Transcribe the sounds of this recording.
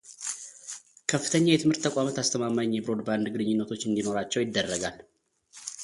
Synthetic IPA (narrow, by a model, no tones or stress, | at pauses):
kʰəfːɨt̪ʰəɲːajɛt̪ʰɨmhɨɾt̪ʰːəkʼamət̪ast̪ʰəmamaɲjɛbɾo̞d̪band̪ɡɨlɨɲːɪnːət̪ʰo̞t͡ʃːɨnd̪ino̞ɾat͡ʃːɛwjɪd̪ːərːəɡal